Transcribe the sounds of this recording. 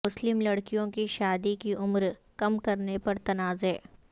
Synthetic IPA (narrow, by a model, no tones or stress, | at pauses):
ʊslɪmlɐɽkijõkiʃaːd̪ikiʔʊmɾkɐmkɐɾnepɐɾt̪ɐnaːzɦɛː